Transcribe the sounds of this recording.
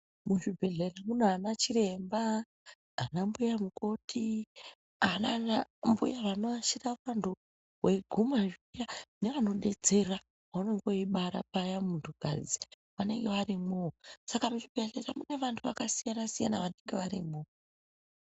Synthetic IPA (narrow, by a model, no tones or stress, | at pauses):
muʐibʱe̞ɮeramunanat͡ʃire̞mba | anambujamuko̞tʰi | ananambṵjaʋanoaʃirafandʱo | we̞ɡʱumaʐijane̞ʋano̞ɗe̞d͡ze̞ra | wano̞ŋɡo̞iɓaɾa̰p̚ajamuntʰuɡ̥ʱa̰d͡zi | ʋane̞ŋɡe̞ʋarimosakamuʐibʱe̞ɮe̞ramune̞ʋantʰuʋakasijanasija̰naʋane̞ŋɡe̞ʋaɾimo